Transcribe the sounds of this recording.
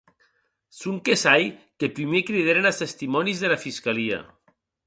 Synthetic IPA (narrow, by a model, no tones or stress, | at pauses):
suŋkesajkepɾimekɾiðeɾenast̪est̪imɔnizðelafiskalia̰